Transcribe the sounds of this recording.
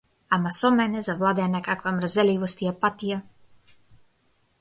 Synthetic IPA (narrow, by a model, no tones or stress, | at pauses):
amasɔmɛnɛzavlˠad̪ɛanakakvamrzɛlivɔst̪iapat̪ija